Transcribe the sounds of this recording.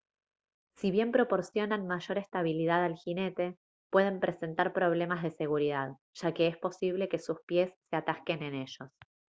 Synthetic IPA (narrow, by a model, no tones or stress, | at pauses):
siβje̞mpɾo̞po̞ɾsjo̞nanmaʒo̞ɾe̞st̪aβ̞ilið̞aðalxine̞t̪e̞ | pwe̞ðe̞mpɾe̞se̞nt̪aɾpɾo̞β̞le̞mazð̞e̞se̞ɣuɾiðað | ʒ̥ake̞espo̞siβ̞le̞ke̞suspje̞sːe̞at̪ahke̞ne̞ne̞ʒo̞s